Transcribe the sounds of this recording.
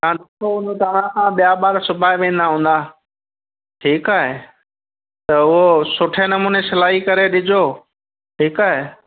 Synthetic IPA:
kãːɗɪkʰoʊ̃t̪aɾãkãɓijabaːɾsʊbʱaːeʋẽːn̆d̪aɦũːn̆d̪aː | ʈʰiːkaːɦe | t̪ɐʊɦosʊʈʰenɐmuːnesɐlaːɦikɐɾeɗɪd͡ʑʱo | ʈʰiːkaːɦe

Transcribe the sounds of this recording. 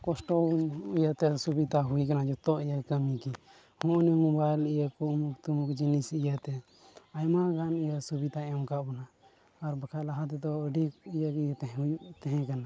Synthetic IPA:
kɔsʈɔijat̪ɛsubid̪aɦuikanad͡ʒɔt̪ɔʔijakəmiki | hɔ̃ʔnimɔbajlijəkɔmukt̪umukd͡ʒinisijat̪ɛ | ajmaɡanijasubit̪aɛmkaʔbɔnaː | ɾbakʰalaɦat̪ɛt̪ɔəɖikijəkijt̪ɛɦjut̪ɛɦɛ̃kana

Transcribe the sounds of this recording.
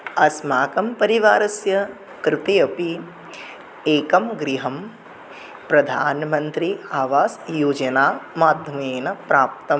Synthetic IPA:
ɐsmaːkɐmpɐɾiʋaːɾɐsjɐ | kɾɪt̪ejɐpi | eːkɐmɡɾiɦɐm | pɾɐd̪ʱaːnmɐnt̪ɾiaːʋaːsjuːd͡ʒɐnaːmaːd̪ʱjɐmeːnɐpɾaːp̚t̪ɐ

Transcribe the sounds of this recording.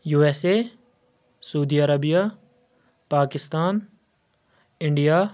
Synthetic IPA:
juːɛːseː | sɐuːd̪iːɐɾəbijaː | paːkɪst̪aːn | ɪ̃ɳɖijaː

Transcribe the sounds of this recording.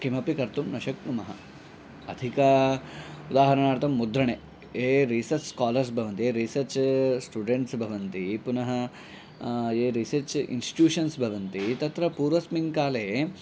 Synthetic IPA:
kimɐpikɐɾt̪umnɐʃɐkmumɐɦɐ̰ | ɐd̪ʱikɐ | ud̪aːɦɐɾɐɳaːɾt̪ɐmːud̪ɾɐɳeː | eːɾisɐɾt͡ʃskaːlɐɾs̬bʱɐʋɐnt̪ieːɾisɐɾt͡ʃsʈuːɖeɳʈsbʱɐʋɐnt̪ipunɐɦɐ | eːɾisɐɾt͡ʃḭnsʈi̥ʈjuːʃɐnsbʱɐʋɐnt̪it̪ɐt̪ɾɐpuːɾʋɐsmiŋkaːleː

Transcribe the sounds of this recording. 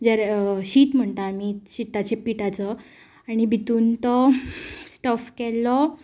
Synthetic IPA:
d͡zaɾɕiːt̪m̤əɳt̪aːmiɕit̪at͡ɕepiʈat͡sə | aɽ̃ibʱit̪uːnt̪ɔ | sʈəfkɛlːɔ

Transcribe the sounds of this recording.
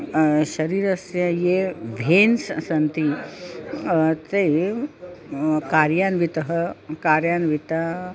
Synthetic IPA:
ʃɐɾiːɾɐsjɐjeʋʱeːnssɐnt̪i | t̪e | kaːɾjaːnʋit̪ɐɦɐkaːɾjaːnʋit̪a

